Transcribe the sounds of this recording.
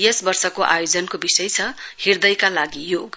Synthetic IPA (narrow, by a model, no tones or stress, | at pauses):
jesbʌrsʌkoʔa̰jod͡zʌnkobisʌjt͡sʰʌhird̪ʌjkalaɡijoɡ